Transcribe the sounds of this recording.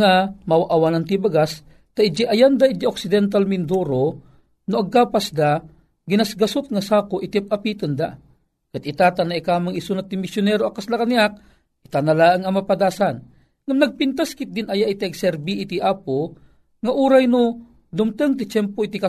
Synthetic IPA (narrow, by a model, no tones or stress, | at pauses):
amawaʔawanant̪ibaɡas | t̪aʔɪd͡ʒiʔajand̪aid͡ʒiʔok̚sɪd̪ɛnt̪̬almɪnd̪uɾo | nʊɐɡ̚kaːpasd̪a | ɡɪnasɡɐsʊt̪̚ŋasaːkoʔɪt̪iap̚apit̪ənd̪a̰ | kat̪ɪt̪at̪anaikaːmaŋisunat̪ːimɪsjʊnɛɾoɐkːaslakaniak̚ | ʔit̪analaːəŋɐmapad̪aːsan | ŋamnɐɡ̚pint̪askɪt̪̚d̪ɪnʔɐjaʔit̪iaɡsɛɾbiʔːt̪iʔaːpo | ŋaʔuːɾajno | d̪ʊmt̪əŋt̪it͡ʃɛmpoit̪ika